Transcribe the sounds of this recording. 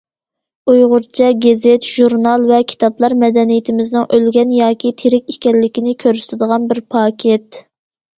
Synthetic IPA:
ujʁʊɾt͡ʃʰɛɡʲezet̪ʒ̥uɾnɑlˠvɛkʲʰi̥t̪ʰɑplˠɑɾmɛd̪ɛnijɪt̪ʰɪmɪznɨŋʔølɡʲɛnjɑːkʲit̪ʰeɾɪkʲikʲɛllːɪkʲinɪkʲʰøɾysɪd̪əʁɑnbɪɾpʰɑːkʲʰet̪̚

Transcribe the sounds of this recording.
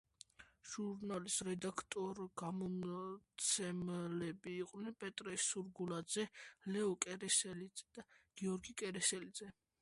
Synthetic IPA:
ʒ̥uɾnalisɾɛd̪akʰt̪ʼɔɾɡ̥amɔmt̪sʰɛmlɛbiːqʼnɛnpʼɛt̪ʼɾɛsuɾɡulad̪zɛlɛɔkʼɛɾɛsɛliɛd̥̪aɡ̥iɔɾɡikʼɛɾɛsɛlid̪z̥ɛ

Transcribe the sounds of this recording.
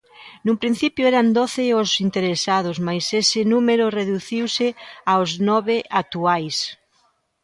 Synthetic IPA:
numpɾin̟θipjʊɛɾand̪oθɪʊsint̪eɾesað̞ʊsmajsesɪnumeɾʊreðuθiwsɪaoznɔβɪʔat̪uajs

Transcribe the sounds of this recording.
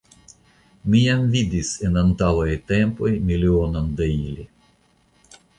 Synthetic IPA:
miamvid̪isenant̪awajt̪e̞mpo̞jmilio̞nond̪eili

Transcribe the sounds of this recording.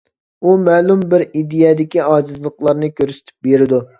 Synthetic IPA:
umɛːlumbɪɾid̪ejɛd̪ɪkʲiɑːd͡ʒɨzlˠəqlˠɑɾnɨkʲʰøɾsɪ̥t̪ʰɪ̥p̚beɾɪd̪u

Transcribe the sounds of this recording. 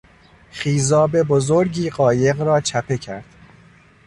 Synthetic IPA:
χiːzɒːbe̞bozoɾɟiːɢɒːje̞ɣɾɒːt͡ʃʰæpʰe̞cʰæɾd̪̥

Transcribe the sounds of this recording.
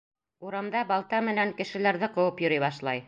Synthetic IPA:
uɾɑmd̪ɑbɑlˠt̪ɑmɘ̆næŋkɘ̆ʃɘ̆læɾðɘqɤ̆wɤpjŏɾɤjβɑʃlˠɑj

